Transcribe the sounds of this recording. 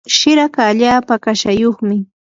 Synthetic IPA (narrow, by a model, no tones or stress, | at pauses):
ʃɪɾakaːʎaːpakaʃajoχmɪ